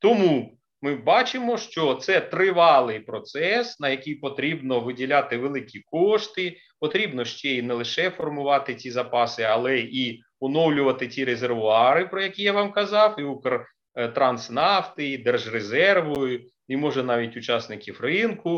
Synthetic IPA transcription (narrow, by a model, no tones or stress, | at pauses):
t̪ɔmu | mɪbɑt͡ʃɪmɔʃt͡ʃɔt̪sɛt̪ɾɪʋɑlˠɪjpɾɔt̪sɛsnɐjɐkʲijpɔt̪ɾʲibnɔʋɪdʲilʲat̪ɪʋelˠɪkʲikɔʃt̪ɪ | pɔt̪ɾʲibnɔʃt͡ʃɛinɛlˠɪʃɛfɔrmʊʋɑt̪ɪt͡sʲizɐpɑsɪɐlˠɛi | ɔnɔwlʲʊʋɐt̪ɪt͡sʲiɾezerʋʊɑɾɪpɾɔjɐkʲijaʋɑmkɐzɑwiukɐr | t̪ɾɐnsnɑft̪ɪid̪ɛrʒrezɛrʋɔjʊ | imɔʒɛnɑʋʲitʲʊt͡ʃɑsnɪkʲiwrɪnkʊ